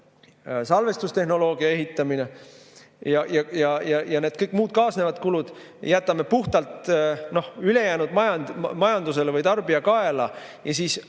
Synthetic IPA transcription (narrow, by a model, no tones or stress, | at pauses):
sɑlve̞st̪ust̪e̞ɦno̞lo̞ːɡiɑe̞ɦit̪ːˑɑmine | jɑjɑjɑjɑjɑned̪̥kɤjkːˑmuːd̪̥̚kɑːsne̞vɑd̪̥kulud̪̥ | jæt̪ːˑɑme̞puht̪ɑlt̪no̞hyle̞jæːnud̪̥mɑjɑnmɑjɑnd̪us̬e̞levɤjt̪ɑrbiɑkɑe̞lɑjɑsiːs